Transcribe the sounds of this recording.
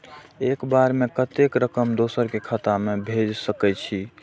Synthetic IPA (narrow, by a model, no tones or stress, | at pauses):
ekbaɾmekət̪ekɾəkəmd̪osəɾkekʰət̪amebʱed͡ʒsəkɛt͡ʃʰi